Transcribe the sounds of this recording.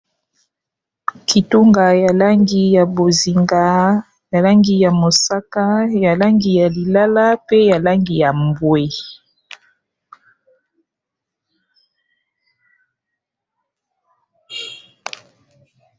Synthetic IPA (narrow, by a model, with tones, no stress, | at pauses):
kʰi˨tu˦ŋɡa˨ja˨la˦ŋɡi˨˦ja˨bo˨zi˨ŋɡa˨ | ja˨la˦ŋɡi˨ja˨mo˨sa˦ka˦ja˨la˦ŋɡi˨ja˨li˨la˦la˦pe˦ja˨la˦ŋɡi˨ja˨mbwe˦